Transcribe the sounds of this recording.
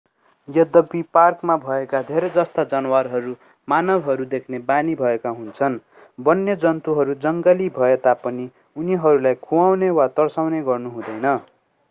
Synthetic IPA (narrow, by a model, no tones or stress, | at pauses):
jʌd̪ʌbiparkmabʱʌekad̪ʱeɾʌjd͡zʌst̪ad͡zʌnwarɦʌɾu | manʌbʱɦʌɾud̪ekʰnebanibʱʌekaɦunt͡sʰʌn | bʌnːjʌd͡zʌnt̪uɦʌɾud͡zʌŋɡʌlibʱʌet̪apʌni | uniɦʌɾulajkʰuwawnewat̪ʌrsawneɡʌrnuɦũd̪ʌjnʌ